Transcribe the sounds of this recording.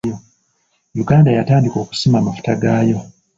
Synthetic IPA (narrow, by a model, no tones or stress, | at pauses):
o | juɡaːndajataːndiko̞ːku̥simaːmafu̥taɡaːjo̞